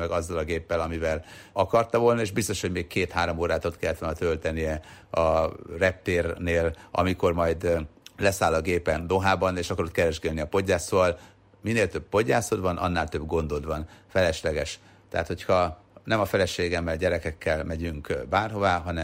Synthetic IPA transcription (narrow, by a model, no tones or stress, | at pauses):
mɛɡɒzːɒlɒɡeːpːɛlɒmivɛlɒkɒrt̪ɒvo̞lnɒeːʒbist̪oʃhoɟmeːkkeːt̪haːɾomoːɾaːt̪ot̪kɛlːɛt̪ʋoːnɒt̪ølt̪ɛnijɛɒrɛp̚t̪eːrneːlɒ̰miko̞rmɒjd̪lɛsaːlɒɡeːpɛnd̪o̞ɦaːbɒneːʃɒkɒɾot̪̚kɛɾɛʒɡɛd̪niɒpo̞ɟːaːsoːvɒl | mineːlt̪øb̚po̞ɟːaːsod̪vɒnʔɒ̰nːaːlt̪ø̞bɡo̞nd̪od̪vɒnfɛlɛʃlɛɡɛʃ | t̪ɛɦaːt̪ho̞chɒ | nɛmɒfɛlɛʃeːɡɛmːɛlɟɛɾɛkɛkːɛlmɛɟyŋkbaːrɦo̞vaːɦɒnɛ